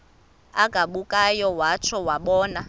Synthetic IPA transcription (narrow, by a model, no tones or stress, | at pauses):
aɡ̥ʱaɓukʼajɔwat͡ʃʰɔwaɓɔːna